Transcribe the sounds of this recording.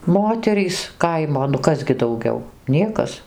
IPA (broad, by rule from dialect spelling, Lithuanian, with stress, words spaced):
ˈmoːtʲɛrʲiːs ˈkɐɪmoː nʊ ˈkɐs ɡʲɪ dɐʊˈɡʲɛʊ ˈnʲiɛkɐs